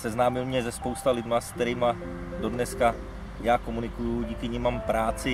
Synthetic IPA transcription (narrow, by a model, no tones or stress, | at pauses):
sɛznaːmɪlmɲɛzɛspo̞wst̪alɪd̪mask̚t̪ɛɾiːma | do̞dnɛska | jaːkomunɪkujuɟiːkɪɲimːampɾaːt͡sɪ